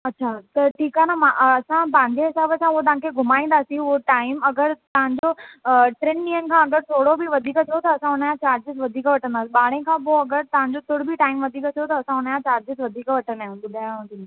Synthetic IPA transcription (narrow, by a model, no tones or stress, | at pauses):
ɐtːɕʰat̪ɐʈʰiːkaːnamãʔɐsãpɐ̃ɦɪ̃ɲd͡ʑeɦɪsaːbəsãuot̪ɐɦãkʰeɡʱʊmaːĩːn̆d̪aːsĩoʈaːɪmɐɡəɾt̪ɐʋ̤ãɲd͡ʑoʈɾeːnĩːən̆kʰãːɐɡəɾsʰoːɽobɪʋɐd̪ʱiːkt̪ʰijot̪ɐɐsãɦʊnəjãt͡ɕaːɾd͡ʑɪsʋɐd̪ʱiːkʋɐʈʰə̃nd̪aːsiɓaːɽ̤̃ẽkʰãːp̬oɐɡəɾt̪ɐʋ̤ãɲd͡ʑot̪ʊɽ̤bʱɪʈaːɪmʋɐd̪ʱiːkət̪ʰijot̪ɐːsãɦʊnəjãt͡ɕaːɾd͡ʑɪzʋɐd̪ʱiːkʋɐʈʰənd̪aʊ̃bʊd̪ʱaɦd̪i